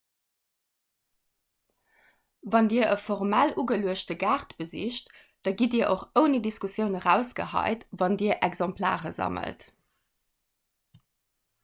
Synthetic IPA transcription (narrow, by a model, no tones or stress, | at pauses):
vɑndiːɐʔəfɔʁmælʔuːɡəluəʃtəɡaːʁtb̥əzḭɕt | d̥ɑɡidiːɐʔoχəʊnidiskusjəʊnəʁæːʊsɡ̥ə̰hɑ̰ɪtvɑndiːɐʔɛɡzɑmpʰla̰ːʁə̰zɑ̰mə̰lt